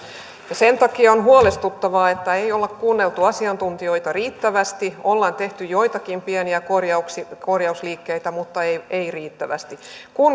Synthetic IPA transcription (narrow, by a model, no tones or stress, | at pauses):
jɑsent̪ɑkiɑonɦuolest̪ut̪ːɑʋɑːet̪ːæejolːekkuːnːelt̪uɑsiɑnt̪unt̪io̞it̪ɑriːt̪ːæʋæst̪iolːɑːnt̪eht̪yjoit̪ɑkimpieniækorjɑuksikorjɑusliːkːeit̪æmut̪ːɑeieiriːt̪ːæʋæ̰st̪ikun